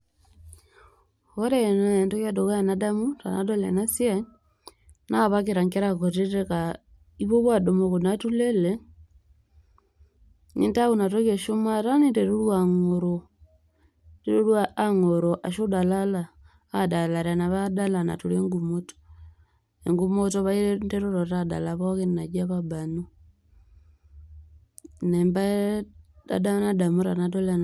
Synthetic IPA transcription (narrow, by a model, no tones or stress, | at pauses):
hoɾenaentokadoɣajanadamuta̰nadolḛnasja | naβakiɾaŋkeɾakoteteka | iβoβwadomokunatulele | nḭntaβunatoɣeʃomaɾanindeɾulwaŋoɾo | deulwaːŋoɾoʔaʃodalalaː | dalaɾanaβadalana̰tuleŋɡumoto̥ | eŋɡumotoβaiɾendeɾuɾotada̰laβokinnaɟaβabanu | nemba | da̰danadamuɾanat̬olan